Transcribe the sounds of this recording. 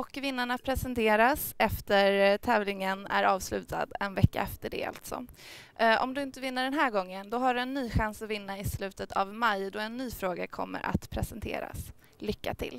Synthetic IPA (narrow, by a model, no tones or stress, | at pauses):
ɔkːvɪnːaɳapʰɾɛsɛnt̪ʰeːɾasɛft̪əɾt̪ʰɛːvlɪŋənæ̰ɾɑːvslʉ̟ːt̪ʰa̰d̪ɛnvɛkːa̰ɛft̪əɖɛ̰a̰lt̪sɔ̰ | ʔɔ̰md̪ɵɪnt̪əvɪnːaɖɛnɦæːɾɡɔŋːənd̪ɔɦaɖɵɛnːyːɧansɔvɪnːaɪslʉ̟ːt̪ət̪ʰavmajd̪ɔɛnːyːfɾoːɡa̰kʰɔmːə̰ɾʔa̰t̪pʰɾɛsɛnt̪ʰḛːɾa̰s | lʏkːa̰t̪ʰɪ̰l